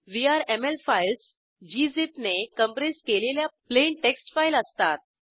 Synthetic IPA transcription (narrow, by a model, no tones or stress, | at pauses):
ʋiaɾemelfails | d͡ʑizet̪nekəmpɾeskeleljapleɳʈeksʈfajləst̪at̪̚